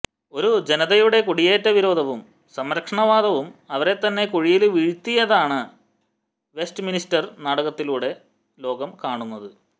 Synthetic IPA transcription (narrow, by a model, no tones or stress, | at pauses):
o̞ɾud͡ʑe̞nɐðɐjuɽe̞kuɽijeːtːɐʋiɾo̞ːd̪ʱɐʋum | sɐmɾɐkʂɐɳɐʋaːd̪ɐʋumɐʋɐɾe̞t̪ːɐnːe̞koɻijilʋiɻt̪ːijɐðaːɳɨ | ʋe̞stɨministɐrnaːɽɐɣɐt̪ːiluːɽe̞ | lo̞ːɡɐmkaːɳunːɐðɨ